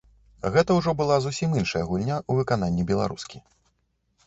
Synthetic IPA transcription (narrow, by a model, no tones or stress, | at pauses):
ɣɛt̪ɐwʐɔbɨlˠazusʲiminʂɐjɐɣulʲnʲaʔuvɨkananʲːibʲɛlˠa̰ɾuskʲi